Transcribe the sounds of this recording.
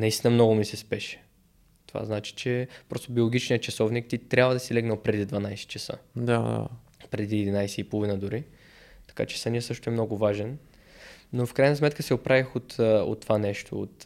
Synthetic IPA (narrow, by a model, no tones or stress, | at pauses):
nɐist̪inəmnɔɡʊmisɛspɛʃɛ̥ | t̪ova̰znat͡ʃi̥t͡ʃɛpɾɔst̪obiolˠoɡʲit͡ʃniət͡ʃɐsɔvnik̚t̪it̪ɾʲabvəd̪ɐsilɛɡnəlˠpɾɛd̪id̪vanajsɛ̥t͡ʃɛsə̰d̪ad̪a̰ | pɾɛd̪iɛd̪inajsɛipolˠvinəd̪ʊɾi | t̪ɐ̥ka̰t͡ʃɛ̥sɐniəsɤʃt̪ʊɛmnɔɡʊvaʒɛn | nofkɾajnɐsmɛt̪kəsɛopɾavixot̪o̰t̪ːovanɛʃt̪ʰo̰o̰t̪